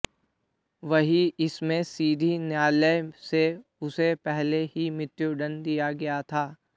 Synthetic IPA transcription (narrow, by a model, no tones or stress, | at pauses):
ʋɐɦiɪsmẽsiːd̪ʱinjaːləjseʊsepɛɦleɦimɪt̪juɖənd̪ijaɡɐjat̪ʰaː